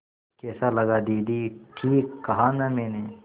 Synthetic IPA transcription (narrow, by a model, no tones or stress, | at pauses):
kɛːsalɐɡad̪iːd̪iːʈʰiːkːɐɦanameːne